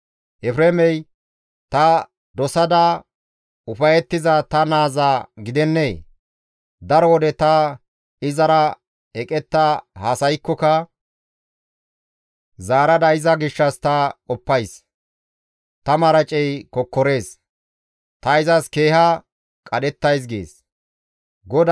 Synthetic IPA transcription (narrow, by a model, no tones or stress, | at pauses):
ʔɛfɾemɛj | t̪ɐ | d̪ɔsɐd̪ɐ | ʊfɐjɛt̪ːɪzɐt̪ɐnaːzaɡɪd̪ɛnːeː | d̪ɐɾɔwɔd̪ɛt̪ɐ | ɪzɐɾɐ | ɛkʼɛt̪ːɐhasɐjkːɔkɐ | zaːɾɐd̪ɐɪzɐɡɪʃːɐst̪ɐkʼɔpːɐjs | t̪ɐmɐɾɐt͡ʃʼɛjkɔkːɔɾe̞ːs | t̪ɐɪzɐske̞ːhɐ | kʼɐdɛt̪ːɐjs̬ɡḛːs | ɡɔd̪